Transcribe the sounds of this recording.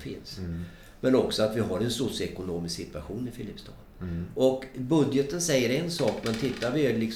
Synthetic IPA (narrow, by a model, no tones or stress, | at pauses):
fɪ̰ns | mɛnɔksɔat̪vɪɦaɾɛnsʊsjɛkʊnoːmɪsksɪt̪vaɧuːnɪfɪlɪpːst̪ʰɑ̰ːd̪ɔkbɵd̪jət̪ənsɛjːəɾɛnsɑːkmɛnt̪ʰɪt̪ːaɾvɪælɪks